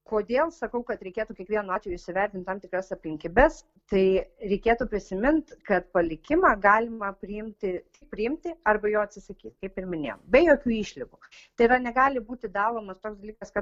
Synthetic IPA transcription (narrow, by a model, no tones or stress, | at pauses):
koːd̪ʲeːlˠsɐkɐʊkɐt̪ɾʲɛɪkʲeːt̪uːkʲiɛkʋʲiɛnuɑːt̪ʲʋʲejuːɪʃsʲɪʋʲɛrʲt̪ʲɪnt̪ɑmt̪ʲɪkɾɐsɐpʲlʲɪŋʲkʲibʲɛs | t̪ɐɪɾʲɛɪkʲeːt̪uːpʲɾʲɪsʲɪmʲɪnt̪kɐt̪pɐlʲɪkʲɪmɑːɡɑːlʲɪmɐpʲɾʲɪɪmʲt̪ʲɪt̪ʲɪp̚pʲɾʲɪɪmʲt̪ʲɪɐrbɐjoːɐt̪ʲsʲɪsɐkʲiːt̪kɐɪpɪɾmʲɪnʲḛːjo̰mbʲɛjoːkʲuːiːʃʲlʲɪɡuː | t̪ɐɪɾɐnʲɛɡɑːlʲɪbuːt̪ʲɪd̪ɑːlˠoːmɐst̪oːksd̪ɐlʲiːkɐskɐ